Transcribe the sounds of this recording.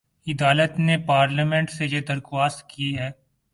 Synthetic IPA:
ɪd̪aːlət̪nepaːɾləmẽɳʈsejed̪ɐɾxwaːst̪̚kiɦɛː

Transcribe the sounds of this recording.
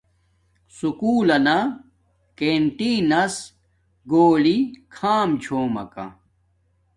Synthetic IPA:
sukuːlɐna | keɳʈinɐs | ɡoːlikʰaːmt͡ɕʰoːmɐ̰kɐ̰

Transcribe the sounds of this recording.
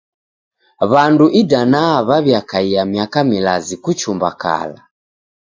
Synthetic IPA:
βanduʔidanaβaβjakaiamjakamilazikut͡ʃumba̰ka̰la

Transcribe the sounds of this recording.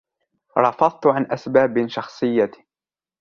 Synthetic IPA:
ɾˤɑfɑðˤt̪ʕanʔasbaːbʃɑxsˤɨjːa

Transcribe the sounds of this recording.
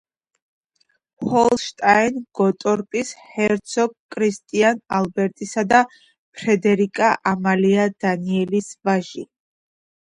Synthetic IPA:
hɔllˠʃt̪ʼajnɡ̥ɔt̪ʼɔɾpʼishɛɾt̪sʰɔɡkʼːɾist̪ʼianalbɛɾt̪ʼisad̪a | pʰɾɛd̪ɛɾikʼaʔamaliad̪̥aniɛlisvaʒi

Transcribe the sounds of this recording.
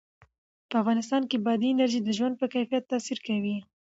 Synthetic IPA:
pəafɣɑnɪst̪ɑnkebɑd̪iɪnaɾʒid̪əʒwand̪̚pəkajfijat̪ːɑsiɾkawi

